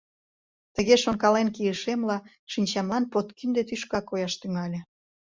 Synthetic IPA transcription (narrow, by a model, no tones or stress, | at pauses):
t̪əɣeʃonkɑlenkijəʃemlɑ | ʃinʲt͡ɕɑmlɑnpot̪kynd̪et̪yʃkɑkojɑʃt̪yŋɑlʲĕ